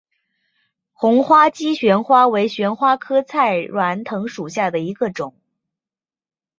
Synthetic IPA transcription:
xʊ˧˥ŋxwa˥t͡ɕi˥ɕɥɛ˧˥nxwa˥we˧˥ɪɕɥɛ˧˥nxwa˥kʰɤ˥t͡sʰa˥˩ɪɻwa˧˥nt̪ʰɤ˧˥ŋʂu˨˩ɕja˥˩d̪ə˩i˧˥ɡə˧ʈ͡ʂʊ˨˩˦ŋ

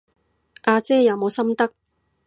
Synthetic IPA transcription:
ʔaː˧t͡sɛː˥jɐ˨˧wmo˨˧wsɐ˥mt̪ɐ˥k̚

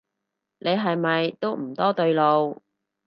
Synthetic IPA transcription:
nʔe˨˧jɦɐ˨jmɐ˨jt̪o˥wm̩˨˩t̪ɔː˥t̪ɵ˧ɥlo˨˧w

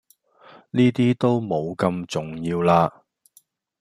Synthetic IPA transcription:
niː˥t̪iː˥t̪o˥wmo˨˧wkɐ˧mt͡sʊ˨˩ŋjiː˧wlaː˧

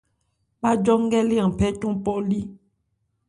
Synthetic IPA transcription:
ba˦d͡ʒɔ˦ŋ˦ɡɛ˦li˦a˨pɛ˦tũ˦pɔ˦li˦

